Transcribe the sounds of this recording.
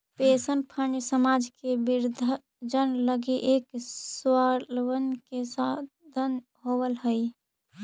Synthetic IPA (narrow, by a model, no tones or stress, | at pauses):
pesənpʰəɳɖsəmad͡ʒkebiɾd̪ʱ | d͡ʒənləɡiʔekswalwənkesa | d̪ʱən | ɦobəlɦəj